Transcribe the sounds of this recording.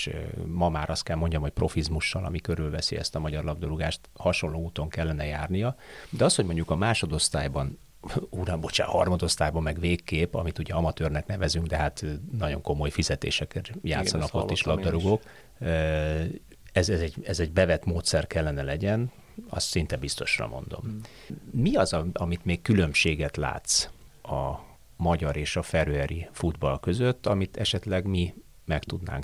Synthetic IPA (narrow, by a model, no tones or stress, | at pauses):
ʃmɒmaːɾʔɒst̪̚kɛlmo̞ɲɟɒmho̞c̚pro̞fizmuʃːɒlɒ̰mikøɾylvɛsḭɛ̰st̪ɒmɒɟɒrlɒb̚d̪ɒɾuɡaːʃt̪hɒʃo̞nloːuːt̪o̞ŋkɛlːɛnɛjaːrnijɒd̪ɛɒsho̞ɟmo̞ɲɟukɒmaːʃo̞d̪o̞st̪aːjbɒn | uːɾɒmbot͡ʃa̰hɒ̰rmɒd̪o̞st̪aːjbɒmɛɡveːkːeːpɒ̰mit̪uɟɛɒmɒt̪øːrnɛknɛvɛzyŋɡd̪ɛɦat̪nɒɟo̞ŋko̞mo̞jfizɛt̪ḛːʃɛkɛrjaːt̪sːɒnɒkoːeːʃlɒɡd̪ɒɾuɡoːk | ɛzɛzɛɟɛzɛɟbɛvɛt̪moːt̪sɛrkɛlːɛnɛlɛɟɛn | ɒ̰st̪sint̪ɛbist̪o̞̰ʃrɒ̰mo̞̰nd̪o̞̰m | miɒzɒɒmit̪meːkːylø̞mʃeːɡɛt̪la̰ːt̪sɒ | mɒɟɒɾeːʃɒfɛɾɛɾifud̪bɒlkø̞zøt̪ːɒmit̪ʰɛʃɛt̪lɛɡmi | mɛkt̪ud̪na̰ːŋk